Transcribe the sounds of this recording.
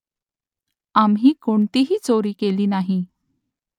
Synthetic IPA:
amɦiːkoɳt̪iɦiːt͡soɾiːkeliːnaɦi

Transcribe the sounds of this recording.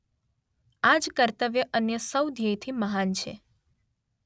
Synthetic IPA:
ad͡ʒkəɾt̪əʋjəʔənjəsəwd̪ʱjəjt̪ʰiməɦant͡ʃʰḛ

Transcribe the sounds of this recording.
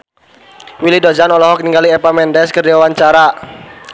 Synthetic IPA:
wilidod͡ʒanɔlɔɦɔk̚niŋɡaliɛpamɛndɛskərdiawaɲt͡ʃaɾa

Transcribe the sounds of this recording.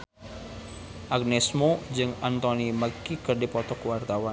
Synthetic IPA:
ʔak̚nesmod͡ʒɨŋant̪ɔniməkikərdepɔt̪ɔkwart̪awa

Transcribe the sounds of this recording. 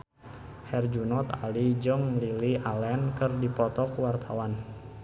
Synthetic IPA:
hɛrd͡ʒunɔt̪a̰lid͡ʒɔŋliliʔalɛnkɨrdipɔt̪ɔkwart̪ʰawan

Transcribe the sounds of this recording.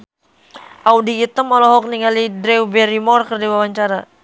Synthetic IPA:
ʔawdiːt̪əmɔlɔɦɔk̚niŋalidɾewbɛɾimɔrkərdiwawaɲt͡ʃaɾa

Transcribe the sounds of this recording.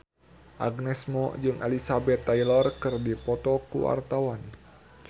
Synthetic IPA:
ʔaɡnɛsmɔ̰d͡ʒɨŋʔa̰lisabɛt̪ːailɔrkɨrdipɔt̪ɔkṵwa̰rt̪awan

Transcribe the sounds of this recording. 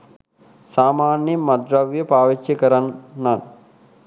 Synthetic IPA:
saːmaːnjɐmɐd̪ɾɐʋjɐpaːʋit͡ʃːikɐɾɐnan

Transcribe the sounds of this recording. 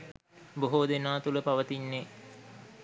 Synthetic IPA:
boɦod̪enaːt̪uləpaʋət̪inːe

